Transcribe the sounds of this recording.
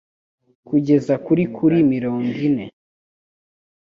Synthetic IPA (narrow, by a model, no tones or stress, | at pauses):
kuɟe̞zakuɾikʰuɾimiɾo̞ːŋɡine̞